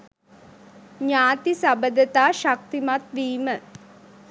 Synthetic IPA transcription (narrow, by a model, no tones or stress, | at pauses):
ɲaːt̪isabəd̪ət̪aːʃak̚t̪imat̪ʋiːmə